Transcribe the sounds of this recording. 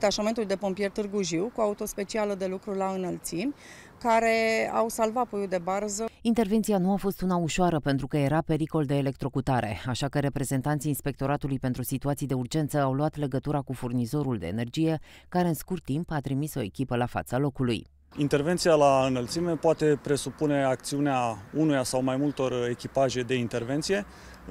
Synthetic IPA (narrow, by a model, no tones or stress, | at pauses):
t̪aʃament̪uld̪e̞po̞mpije̞rt̪ɨrɡuʒiwkuaut̪o̞spe̞t͡ʃialəd̪e̞lukɾulaɨnəlt̪simʲ | kaɾe̞a̰wsalvatpojud̪e̞barzəint̪erve̞nt̪sijanuafo̞st̪unauʃoaɾəpe̞nt̪ɾukəje̞ɾape̞ɾiko̞ld̪e̞ːle̞kt̪ɾo̞kut̪aɾe̞̰aʃakəɾe̞pɾe̞ze̞nt̪ant̪sijiːnspe̞k̚t̪o̞ɾat̪ulujpent̪ɾusit̪uat̪sijd̪e̞urd͡ʒe̞nt̪səawluat̪le̞ɡət̪uɾakufurnizo̞ɾuld̪e̞̰ːne̞rd͡ʒije̞ | kaɾe̞ɨnskurt̪ːimpat̪ɾimiso̞e̞kʲipəlafa̰t̪salo̞kulṵj | int̪e̞rvent̪sijalaɨnəlt̪sime̞poat̪e̞pɾe̞supune̞ak̚t̪siuneaunujasawmajmult̪o̞re̞kʲipaʒe̞d̪e̞int̪e̞rve̞nt̪sije̞